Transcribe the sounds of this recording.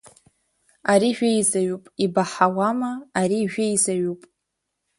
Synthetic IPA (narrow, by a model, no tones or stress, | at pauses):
aɾiʒᶣʷejzaɥupʼibaħawamaːɾiʒᶣʷejzaɥupʼ